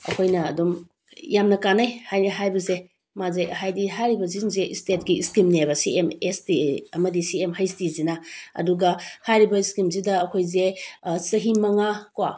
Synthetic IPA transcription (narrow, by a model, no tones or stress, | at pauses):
ɐ̰kʰojnɐ̰ːdom | jamnɐkanajhajnɐɦajbɐze | mazejɦajdiɦajɾibɐzinzeʔistet̚ɡiiskimniajbɐsiemestiɐmɐdisiemɦajstizinaɐ̰duɡɐhajɾibɐiskimzidɐːkʰojzesɐɦimɐŋakwa